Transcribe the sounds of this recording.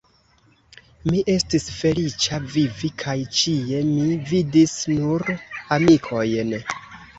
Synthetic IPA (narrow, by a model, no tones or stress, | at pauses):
miʔe̞stisfe̞lit͡ʃavivikʰajt͡ʃie̞mividisnuɾamikʰo̞jn